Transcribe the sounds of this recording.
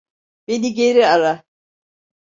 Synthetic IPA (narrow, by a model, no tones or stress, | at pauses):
bediɡeɾiaɾa